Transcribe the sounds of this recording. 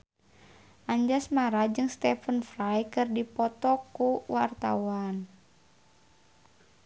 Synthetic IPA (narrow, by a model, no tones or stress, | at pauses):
ʔaɲd͡ʒasmaɾad͡ʒɨŋst̪ɛfənfɾajkɨrdipɔt̪ɔkuwart̪a̰wan